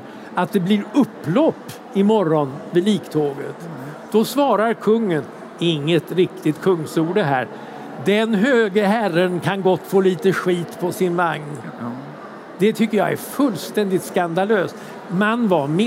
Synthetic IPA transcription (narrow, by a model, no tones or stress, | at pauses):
at̪̚d̪ɛbliːɾɵpːlɔpː | ɪmɔɾɔnvɪliːkt̪ʰoːɡət̪d̪̥ɔsvɑːɾaɾkʰɵŋːən | ɪŋːət̪ɾɪk̚t̪ɪt̪kʰɵŋːsuːɖɛɦæ̰ːɾ | d̪ɛnɦøːɡəɦærənkʰanɡɔt̪ːfoːliːt̪əɧiːt̪pʰɔsɪnvaŋn | d̪̥ɛt̪ʰʏkːəja̰æ̰ɾfɵlːst̪ɛnd̪ɪt̪skand̪aløːst̪ | manːvaɾm